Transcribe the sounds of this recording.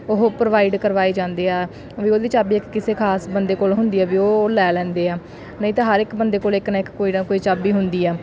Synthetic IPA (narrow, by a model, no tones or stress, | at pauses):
ʊɦoːpɾoʋaːiɖkəɾʋaːiːd͡ʒãːnd̪eːɛː | ʋiːoːd̪iːt͡ʃaːbiːɪkːɪseːkʰaːsbənd̪eːkoːlɦʊnd̪iːɛːʋiːoːlɛːlɛ̃ːnd̪eːɛː | nəĩːt̪ãːɦəɾɪkbənd̪eːkoːlɪknãːɪkkːoːiːnãːkoːiːt͡ʃaːbiːɦʊnd̪iːɛː